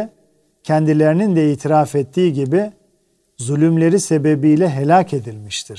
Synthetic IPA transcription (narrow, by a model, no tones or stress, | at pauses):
cʰɛnd̪ilʲe̞ɾinind̪ɛiːt̪ʰiɾaːfɛt̪ːiːɟibi | zylʲymlʲe̞ɾise̞be̞bijlʲɛɦe̞lʲaːcʰe̞d̪ilʲmiʃt̪ʰiɾ̥